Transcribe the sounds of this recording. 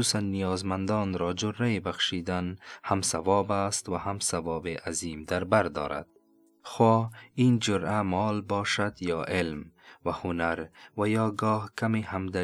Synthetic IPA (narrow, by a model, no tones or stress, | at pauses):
usanːijɒːzmand̪ɔːnɾɔːd͡ʒʊɾajebaxʃid̪anhamsavɔːbast̪wahamsavɔːbeʔaziːmd̪aɾbaɾd̪ɒ̰ːɾa̰d̪̥̚ | xoind͡ʒʊɾamɒːlbɒːʃad̪jɒːʔelmwahʊnaɾwajɒːɡɔːhkʰamehamd̪a